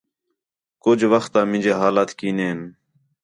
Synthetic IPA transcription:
kʊd͡ʒʋəxt̪ãːmɪ̃nd͡ʒeːɦaːlaːt̪kiːneːn

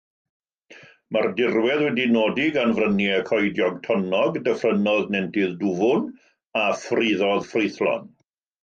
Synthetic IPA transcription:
mardɪrwɛðwɛdinoːdiɡanvrənjɛkʰɔjdjɔɡtʰɔnɔɡdəfrənɔðnɛntɪðdʊvʊn | afriðɔðfrɪjθlɔ̰n

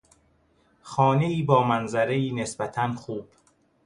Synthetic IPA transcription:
xɒːne̞iːbɒːmænzæɾeiːne̞sbæt̪ʰænxuːb̥

